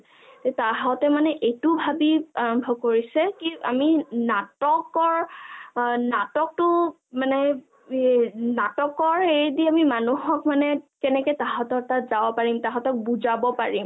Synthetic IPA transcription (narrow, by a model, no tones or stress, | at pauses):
tetaɦɔtɛmanɛʔejtubʱabiaɹɔmbʱɔb̚koɹisɛkia̰minatɔkɔɹ | natɔk̚tʊ | manɛ | natɔkɔɹejdiamimanuɦɔkmanɛkɛnɛkɛtaɦɔtɔk̚tatzabɔpaɹimtaɦɔtɔk̚buzabɔpaɹim